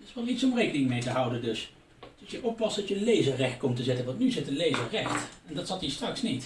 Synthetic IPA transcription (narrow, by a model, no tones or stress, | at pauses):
tɪsʋɛlˠitsɔmrejkənɪŋmejtəɦʌwdəndɵs | dəsjəʔɔpːɑsd̥ɑtjənlejzərɛχt̚kɔmtəzɪtənʋɑntnyzɪtənlejzərɛχtɛndɑtsɑtiːstrɑksnit